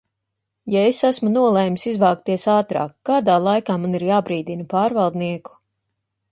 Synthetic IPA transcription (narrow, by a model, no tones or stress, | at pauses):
jaesæsmunuɔlˠɛjmsizvaːk̚t̪iɛsaːt̪ɾa̰ːkːaːd̪aːlˠajkaːmaniɾjaːbɾiːd̪inɐpaːɾvɑlˠd̪niɛku̥